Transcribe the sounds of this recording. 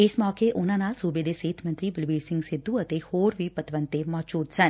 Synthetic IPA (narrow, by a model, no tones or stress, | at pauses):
ɪsmɔːkeːʔʊnãːnaːlsuːbeːd̪eːseːt̪ʰmə̃nt̪ɾiːbəlʋiːɖsɪ̃ŋɡsɪd̪ːuːət̪eːhoːɾʋiːpət̪ʋənt̪eːmɔːd͡ʒuːd̪sən